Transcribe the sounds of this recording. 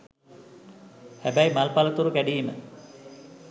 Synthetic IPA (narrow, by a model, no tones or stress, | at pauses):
hæbæjmalpalət̪uɾukæɖiːmə